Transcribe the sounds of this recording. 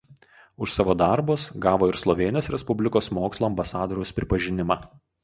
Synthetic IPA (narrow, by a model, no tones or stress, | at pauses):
ʊʃsɑːʋoːd̪ɑɾbʊsɡɑːʋoːɪɾslˠɔʋʲeːnʲoːsɾʲɛspʊbʲlʲɪkoːsmoːkslˠoːɐmbɐsɑːd̪oːɾʲɛʊspʲɾʲɪpɐʒʲɪnʲɪmɑː